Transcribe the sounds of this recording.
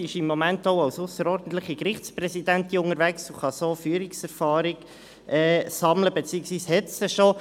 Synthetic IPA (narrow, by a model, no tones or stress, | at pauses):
ɪʃɪmːomæntoʊɑwsʊsəɾɔːɾdn̩t̪ləχikɾɪχt͡spɾɛsid̪ænt̪iʊŋəɾvæksuχɑsoːfyːəɾɪksɛɾfɑːɾɪɡ | ʔɛːsɑmləbet͡siːəksʋiːshɛt̪səʃo